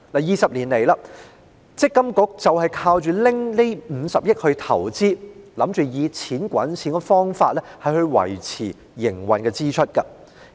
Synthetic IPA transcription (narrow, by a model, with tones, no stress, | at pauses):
laː˨˩jiː˨sɐ˨p̚liː˨˩nle˨˩jlaː˧ | t͡sɪ˥kːɐ˥mkʊ˨˥k̚t͡sɐ˨whɐ˨jkʰaː˧wt͡ʃyː˨lɪ˥ŋne˥m̩ː˨˧sɐ˨p̚jɪ˥t̚hɵ˧ɥt̪ʰɐ˨˩wt͡siː˥lɐ˨˥mt͡ʃyː˨jiː˨˧t͡sʰiː˨˥nkʷɐ̰˨˥nt͡sʰiː˨˥nkɔ˧fɔː˥ŋfa̰ː˧t̚lɛ˥hɐ˨jhɵ˧ɥwɐ̰˨˩jt͡sʰiː˨˩ | jɪ˨˩ŋwɐ˨nkɛː˧t͡siː˥t͡ʃʰɵ˥t̚kɐ˧